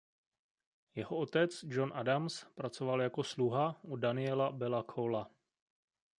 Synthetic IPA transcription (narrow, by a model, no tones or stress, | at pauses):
jɛɦoo̞t̪ɛt͡sd͡ʒo̞nʔadamspɾat͡so̞valjako̞sluɦaudanɪɛlabɛlakʰowla